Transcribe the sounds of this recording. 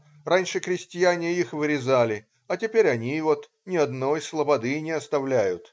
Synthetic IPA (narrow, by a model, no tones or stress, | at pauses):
ranʲʂɨkɾʲɪsʲtʲɪjanʲɪixvɨɾʲɪzalʲɪ | ɐtʲɪpʲeɾʲɐnʲivo̞t̪ | nʲɪɐd̪no̞jslˠəbɐd̪ɨnʲɪɐst̪ɐvlʲæjʊt̪